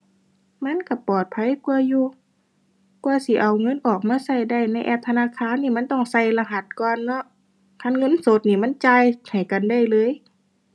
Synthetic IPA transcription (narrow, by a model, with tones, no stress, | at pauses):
ma˧˥˨nka˧˩pɔː˨˩t̪̚pʰa˧˨jku˧əjuː˧ | kuː˧ɐsi˧˦ʔa˨˩wŋɤ˧˥˨nʔɔː˨˩k̚maː˧˥˨sa˧˩˨jda˧˩jna˧˥˩jʔɛː˧˩p̚t̪ʰa˧naː˧˥˨kʰaː˧˥˨nːiː˧˩ma˧˥˨nt̪ɔ˧˩ŋsa˧˩jla˧ɦa˧˩t̪̚kɔː˧nːɔ˧˥ʔ | kʰa˧˥˨nŋɤ˧˥˨nso˧˦t̪̚niː˧˩ma˧˥˨nt͡ɕaː˧jha˨˩jka˨nda˧˩jlɤː˧˥˨j